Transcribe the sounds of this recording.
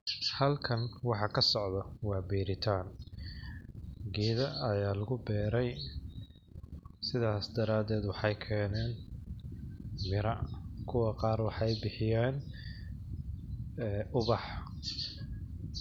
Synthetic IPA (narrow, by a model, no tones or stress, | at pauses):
hɐlkʰɐnwɑħɑkʰɐsɔʕðɐwɑːbiːɾɪt̪ʰaːn | ɡiːðɐɐjaːlɐɣʊbɛːɾɛj | sɪðaːsd̪ɐɾaːd̪ɛːd̪wɑħɑjkʰɛːnɛːn | mɪɾɐkʰʊwɑqɑːrwɑħɑjbɪħɪjɛːn | ʊβɑħ